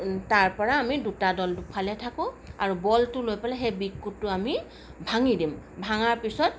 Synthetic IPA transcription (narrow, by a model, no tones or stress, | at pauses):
taɹpɔɹaːmidutadɔltupʰalɛtʰakʊ̃aɹubɔltʊlojpalɛɦebikːutːʊami | bʱaŋidim | bʱaŋaɹpisɔt̚